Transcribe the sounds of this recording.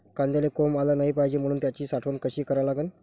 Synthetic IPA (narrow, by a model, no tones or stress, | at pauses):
kand̪jalekɔmalanaɦipaɦjd͡ʑem̤əɽ̃uːnt̪jat͡ɕiːsaʈʰʋənkəɕiːkəɾalaɡən